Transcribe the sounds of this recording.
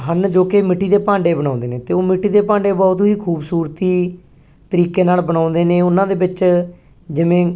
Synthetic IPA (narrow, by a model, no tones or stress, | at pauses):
ɦənd͡ʒoːkemɪʈʰːiːd̪eːpãːɳɖeːbəɽ̃ãːnd̪eːnẽːt̪eːoːmɪʈːiːd̪eːpãːɳɖeːbɔːt̪ɦiːkʰuːbsuːɾt̪iː | t̪əɾiːkeːnaːlbəɽ̃ãːnd̪eːnẽːʊnãːd̪eːbɪt͡ʃ | d͡ʒɪʋẽː